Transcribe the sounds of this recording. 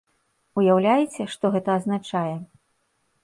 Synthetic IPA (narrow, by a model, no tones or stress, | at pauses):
ujawlʲajɛt͡sʲɛʂt̪ɔɣɛt̪ɐːznat͡ʂajɛ